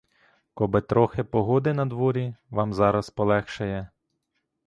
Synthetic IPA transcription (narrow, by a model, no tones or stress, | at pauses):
kɔbɪt̪ɾɔxɪpɔɦɔd̪ɪnɐd̪ʋɔɾʲiʋɑmzɑɾɐspɔlˠɛxʃɐjɛ